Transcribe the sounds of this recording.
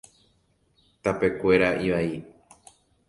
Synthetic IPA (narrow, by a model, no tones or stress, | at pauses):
t̪ape̞kʷe̞ɾaʔiʋai